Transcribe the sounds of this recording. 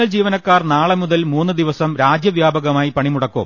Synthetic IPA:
ɐɭd͡ʑiːʋɐnɐkːaːrnaːɭɐmuðɐlmuːnːɨd̪iʋɐsɐmɾaːd͡ʑjɐʋjaːbɐɣɐmaːjipɐɳimuɽɐkːṵm

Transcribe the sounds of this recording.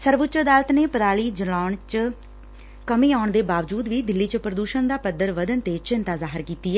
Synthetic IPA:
səɾʋʊtːt͡ʃd̪aːlət̪neːpəɾaːɭiːd͡ʒəlaːɳt͡ʃ | kəmiːaːʊɳd̪eːbaːʋəd͡ʒuːd̪ʋiːd̪ɪlːiːt͡ʃəpɾəd̪uːʃənd̪aːpəd̪əɾʋəd̪ənt̪eːt͡ʃɪnt̪aːzaːɦɪɾkiːt̪iːɛː

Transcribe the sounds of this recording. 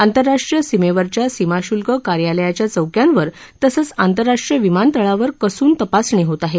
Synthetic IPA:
ant̪əɾːaʂʈɾijəsimeʋəɾt͡ɕjasimaɕulkəkaɾjaləjat͡ɕjat͡səwkjanʋəɾ | t̪əsət͡sant̪əɾːaʂʈɾijəʋimant̪əɭaʋəɾkəsuːnt̪əpasɳeɦot̪aɦe

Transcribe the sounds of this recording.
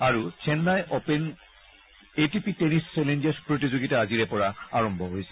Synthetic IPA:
aɹut͡ɕʰenːajʔopen | etipitenist͡ɕɛlend͡ʑespɹotizoɡitaaziɾepɔɹaaɹɔmbʱɔɦojsʰɛ̥

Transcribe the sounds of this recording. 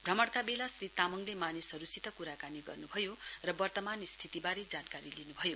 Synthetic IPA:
bʱrʌmʌɽk̪abelasrit̪amʌŋlemanisɦʌɾusit̪ʌkuɾakaniɡʌrnubʱʌjorʌbʌrt̪ʌmanist̪ʰit̪ibaɾed͡zankaɾilinubʱʌjo

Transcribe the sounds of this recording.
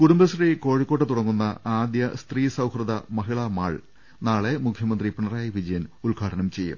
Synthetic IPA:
kuɽumbɐsriːko̞ːɻikːo̞ːʈːɨt̪uɽɐŋːunːɐaːd̪jɐst̪riːsɐwhrɐðɐmɐɦiɭɐma̰ːɭ | naːɭe̞mukʰjɐmɐnd̪ripiɳɐraːjɐʋid͡ʑɐjɐnulɡʱaːɽɐnɐmt͡ɕe̞jːṵm

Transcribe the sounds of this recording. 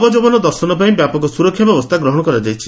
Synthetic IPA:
bɔd͡ʒobɔnɔd̪ɔɾsɔnɔpaĩbjapɔɡɔsuɾɔkʰːjɔbjɔbɔst̪ʰaɡɾɔɦɔɽ̃ɔkɔɾad͡ʒajt͡ʃʰi̥

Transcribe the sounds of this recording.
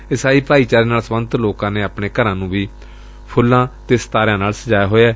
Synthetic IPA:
ɪsaːiːpaːiːt͡ʃaːɾeːnaːlsmənt̪loːkãːneːaːpɳeːkəɾãːnũːʋiː | pʰʊlːãːt̪eːst̪aːɾɪjãːnaːlsəd͡ʒaːjaːɦoːɛː

